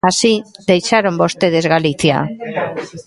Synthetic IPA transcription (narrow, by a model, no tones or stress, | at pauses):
asid̪ejsaɾombo̞st̪e̞ðe̞zɣalit͡sia̰